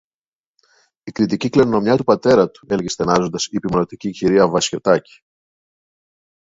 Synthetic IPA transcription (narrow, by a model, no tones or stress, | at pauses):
ikɾit̪iciklenono̞mɲɐt̪upɐt̪e̞ɾɐt̪u̥e̞lʝest̪enɐzo̞nd̪ɐsipimonot̪iciciɾiɐvɐsço̞t̪ɐci̥